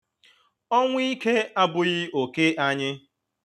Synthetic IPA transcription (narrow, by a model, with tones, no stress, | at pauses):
ɔ˦ŋʷʊ˦i˦ke˦a˦bʊ˨ɣɪ˦o˨ke˦ʔa˦ɲɪ˦